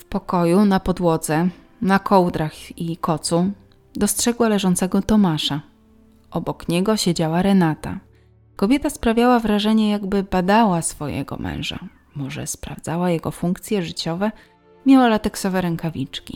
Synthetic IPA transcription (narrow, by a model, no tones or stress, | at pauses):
fpɔkɔjunapɔd̪wɔd̪zɛ | nakʰɔwd̪ɾaxikɔt̪su | d̪ɔstʂɛɡwalɛʐɔnt̪sɛɡɔt̪ɔmaʂa | ʔɔbɔkɲɛɡɔɕed͡ʑawaɾɛnat̪a̰ | kɔbʲjɛt̪aspɾavʲjawavɾaʐɛɲɛjaɡbɘbad̪awasfɔjɛ̰ɡɔ̰mʔɛ̰̃w̃ʐa̰ | mɔʐɛ̰spɾa̰vd̪zawajɛɡɔfuŋkt̪sʲjɛʐɘt͡ɕɔvɛ | mʲjawalat̪ɛksɔvɛɾɛŋkavʲit͡ʂkʲḭ